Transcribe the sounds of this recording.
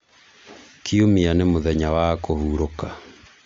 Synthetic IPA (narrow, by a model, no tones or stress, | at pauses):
kiomianemoðɛɲawakohuɾoka